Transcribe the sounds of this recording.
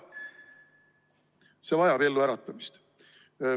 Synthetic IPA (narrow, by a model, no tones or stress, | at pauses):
se̞vɑjɑbe̞lːuæɾɑt̪ˑːɑmist̪